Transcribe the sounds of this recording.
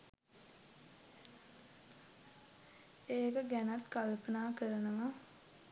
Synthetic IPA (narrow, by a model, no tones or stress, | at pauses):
eːkəɡænat̪kalpənaːkəɾənəʋa